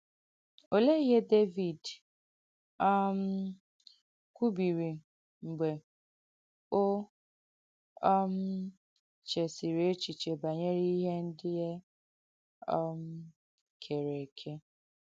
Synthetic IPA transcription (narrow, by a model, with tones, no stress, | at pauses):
o˨le˦ɦe˦de˦vi˨d | ɔ˦m̩˦ | kʷu˦bi˨ɾi˨ | ŋ͡m̩˨ɡ͡be˨ | o˦ | ɔ˦m̩˦ | t͡ʃe˨si˨ɾe˨e˦t͡ʃi˨t͡ʃe˨ba˨ɲe˦ɾi˦i˦ɦe˦n̩˦dɪ˦je˦ | ɔ˦m̩˦ | kʰe˨ɾe˨kʰe˦